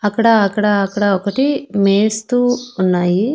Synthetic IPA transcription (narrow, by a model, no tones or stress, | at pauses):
ɐkːɐɽɐːkːɐɽɐːkːɐɽɐɔkɐʈimeːst̪uunːaːji